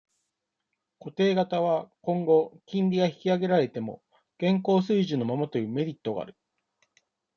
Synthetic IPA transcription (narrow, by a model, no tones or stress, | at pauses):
ko̞t̪e̞ːɡat̪aβ̞akõ̞ŋɡo̞kʲĩnɾʲiɡaçi̥kʲiaɡe̞ɾaɾe̞t̪e̞mo̞̰ | ɡ̥ẽ̞ŋko̞ːsɨiʑɨno̞mamat̪o̞jɯ̟ːme̞ɾʲit̪ːo̞ɡa̰ɾɯ̟